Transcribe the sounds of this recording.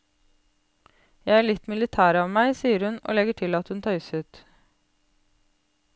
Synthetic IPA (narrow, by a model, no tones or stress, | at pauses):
jæɪæɭɪt̪mɪlɪt̪ʰæːɾɑːʋmæɪsiːəɾhʉnʔo̰ːlɛɡəʈʰɪlɑt̪hʉnt̪ʰœʏsʉːt̪